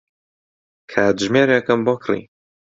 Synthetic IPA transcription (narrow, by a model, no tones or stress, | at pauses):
kʰaːt̪ʒmeːɾekɨmbokʰrḭ